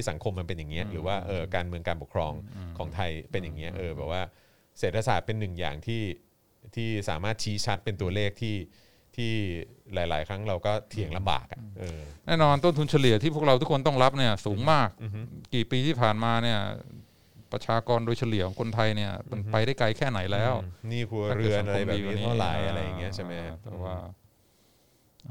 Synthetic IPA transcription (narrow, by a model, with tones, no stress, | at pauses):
i˥˩sa˩˦ŋkʰo˧mːa˧npe˧nja˨˩ŋːi˦˥ɐɾɯː˩˦waː˥˩ʔɤː˧kaː˧nmɯ˧əŋkaː˧npu˨˩kʰɾɔː˧ŋkʰɔː˩˦ŋt̪ʰa˧jpe˧njaː˨˩ŋːi˦˥ɐʔɤː˧bɛː˨˩waː˥˩ | seː˨˩t̪̚pʰa˧saː˨˩t̪̚pe˧nːɯ˨˩ŋja̰ː˨˩ŋt̪ʰiː˥˩ | t̪ʰiː˥˩sa̰ː˩˦maː˥˩t̪̚t͡ɕʰiː˦˥t͡ɕʰa˦˥t̪̚pe˧nt̪u˧ɐleː˥˩k̚t̪ʰiː˥˩ | t̪ʰiː˥˩ | laː˩˦jlaː˩˦jkʰɾa˦˥ŋɾa˧wkɔː˥˩t̪ʰi˨˩əŋla˧mba̰ː˨˩k̚a˩ʔɤː˧nɛː˥˩nɔː˧nt̪o˥˩nt̪ʰu˧nt͡ɕʰa˧li˨˩˦t̪ʰiː˥˩u˥˩kɾa˧wt̪ʰu˦˥kʰo˧nt̪ɔ˥˩ŋla˦˥p̚ni˥˩ɐsuː˩˦ŋmaː˥˩k̚ːiː˨˩piː˧t̪ʰiː˥˩pʰaː˨˩nmaː˧ni˥˩ɐ | pɾa˧t͡ɕʰaː˧kɔː˧ndoː˧jt͡ɕʰa˧li˨˩˦kʰɔː˩˦ŋkʰo˧nt̪ʰa˧jni˥˩ɐma˧npa˧jɾa˥˩jkla˧jkʰɛː˥˩na˩˦jlɛː˦˥wniː˥˩kʰu˧ɐa˥ɾɯ˨˧ə˩˨n˧ʔa˧ɾa˧jɛː˨iː˧˦˥ɔː˥˩la̰ː˩˦jʔa˧ɾa˧jːa˨˩ŋːi˦˥ɐa˥˩jma˦˥a˦t̪ɛ̰ː˨˩waː˥˩˧